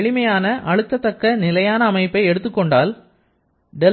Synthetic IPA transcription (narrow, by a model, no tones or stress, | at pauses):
ɭɪmɐjaːnɐʔɐɻɯt̪ːɐt̪ːɐkːɐnɪlɐjaːnɐːmɐɪpːɐɪɛɽɯt̪ːɯkːɔɳɖaːl | ɖɛ